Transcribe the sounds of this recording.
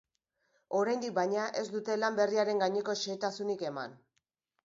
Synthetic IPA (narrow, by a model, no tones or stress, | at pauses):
o̞ɾajnd̪ik̚bajɲaʔe̞zd̪ut̪e̞lambe̞riaɾe̞ŋɡaɲe̞ko̞ʃeːt̪asunike̞ma̰n